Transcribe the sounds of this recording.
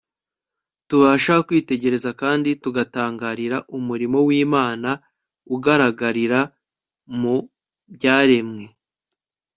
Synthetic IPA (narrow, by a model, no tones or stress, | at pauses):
tuβaːʃakwiːte̞ɟe̞ɾe̞zakaːndituɡataːŋɡaːɾiɾaʔumuɾimo̞wiːmaːna | uɡaɾaɡaɾiɾa | mu | bɟaːɾe̞mŋe̞